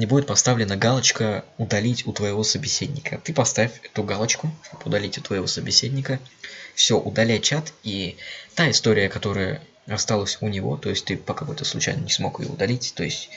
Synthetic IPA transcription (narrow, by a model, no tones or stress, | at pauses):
nʲɪbudʲɪt̪̚pɐst̪avlʲɪnəɡalˠət͡ɕkəʊd̪ɐlʲitʲʊt̪vəjɪvo̞səbʲɪsʲedʲnʲɪkʰət̪ɨpɐst̪avʲɪfʲɛt̪ʊɡalˠət͡ɕkʊʂt̪opʊd̪ɐlʲitʲʊt̪vəjɪvo̞səbʲɪsʲedʲnʲɪkəfsʲo̞ʔʊd̪ɐlʲæjt͡ɕat̪it̪aɪst̪o̞ɾʲɪjəkɐt̪o̞ɾəjə̰ | ɐst̪alˠəsʲʊnʲɪvo̞̰t̪o̞jɪsʲtʲt̪ɨpəkɐko̞jt̪əslˠʊ̰t͡ɕæ̰jnənʲɪsmo̞̰kɨ̰jo̰ʊd̪ɐlʲitʲt̪o̞̰ɪsʲtʲ